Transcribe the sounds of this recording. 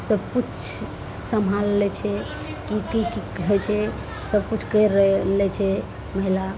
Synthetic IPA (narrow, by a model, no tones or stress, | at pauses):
səbput͡ʃt͡ʃʰ | səmɦalːɛt͡ʃʰɛ | kikikikəɦɛt͡ʃʰɛ | səb̚kut͡ʃʰkəɾəlɛt͡ʃʰɛ | məɦila